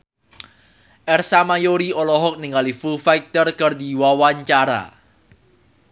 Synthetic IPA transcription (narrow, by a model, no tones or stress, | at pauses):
ʔɛrsamajoɾiɔlɔɦɔk̚niŋalifufajk̚t̪ərkərd̪iwawaɲt͡ʃaɾa̰